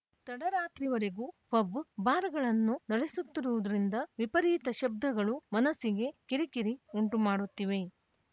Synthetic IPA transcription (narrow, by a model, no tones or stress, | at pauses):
t̪ɐɽɐɾaːt̪ɾiʋɐɾeɡupɐbːbaːɾɐɡɐɭɐnːunɐɽesut̪ːiɾuʋud̪ɐɾind̪ɐʋipɐɾiːt̪ɐʃɐb̚d̪ʱɐɡɐɭumɐnɐsːiɡe̞kiɾikiɾiuɳʈumaːɽut̪ːiʋe̞